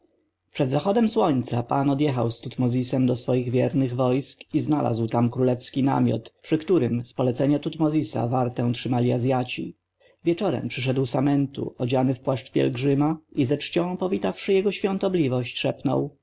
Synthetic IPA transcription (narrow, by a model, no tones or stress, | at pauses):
pʂɛd̪zaxɔd̪ɛmswɔɲt̪sapanɔd̪jɛxa̰wst̪ut̪mɔzʲisɛmd̪ɔsfɔjiɣvʲjɛɾnɘɣvɔjskiznalʔa̰zwt̪amkɾulɛfskʲina̰mʲjɔ̰t̪pʂɘkt̪uɾɘmspɔlɛt̪sɛɲat̪ut̪mɔzʲisa̰vaɾt̪ɛ̃w̃tʂɘmalʲiazʲjat͡ɕḭ | vʲjɛt͡ʂɔɾɛ̰mpʂɘʂ̬ɛd̪wsamɛnt̪ṵʔɔd͡ʑanɘfpwaʂt͡ʂpʲjɛ̰lɡʐɘmaizɛt͡ʂt͡ɕɔ̃w̃pɔvʲit̪afʂɘjɛɡɔɕfʲjɔ̃nt̪ɔblʲivɔɕt͡ɕʂɛpnɔ̰w